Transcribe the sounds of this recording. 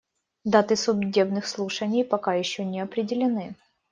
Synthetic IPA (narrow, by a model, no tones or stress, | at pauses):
d̪at̪ɨsʊbdʲe̞bnɨxslˠuʂənʲɪjpɐkajɪɕːonʲɪɐpɾʲɪdʲɪlʲɪnɨ